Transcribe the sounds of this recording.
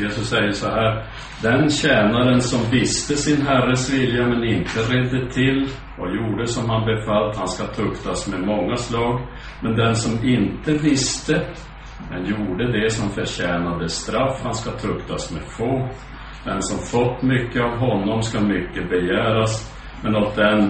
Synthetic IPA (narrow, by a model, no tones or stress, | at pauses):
jeːsɵsːɛjːəʂɔɦæːɾ | d̪ɛnɕɛːnaɾənsɔmvɪst̪əsɪnɦærːəsvɪljamɛnɪnt̪əɾɛd̪ːət̪ʰɪl | ʔɔjuːɖəsɔmɦanbɛfalt̪hanskat̪ʰɵkt̪asmɛmɔŋːaslɑːɡ | mɛnd̪ɛnsɔmɪnt̪əvɪst̪ə | d̪ɛnjuːɖəd̪ɛsɔmfœɾɕɛːnad̪əst̪ɾafːhanskat̪ʰɵkt̪ʰasmɛfoːt̪ | d̪̥ɛnsɔmfɔt̪ːmʏkːəavɦɔnːɔmskamʏkːəbɛjæːɾas | mɛnɔt̪̚d̪ɛn